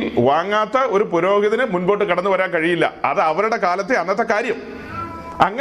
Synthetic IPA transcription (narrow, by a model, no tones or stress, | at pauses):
mʋaːŋːaːt̪ːɐo̞ɾupuɾo̞ːɡiðɐnɨmunbo̞ːʈːɨkiɽɐnːuʋɐɾaːnkɐɻijilːɐ̰ɐ̰ðɨɐʋɐɾuɽe̞kaːlɐt̪ːeɐnːɐt̪̬ːɐkaːɾjɐm | ɐŋːɐ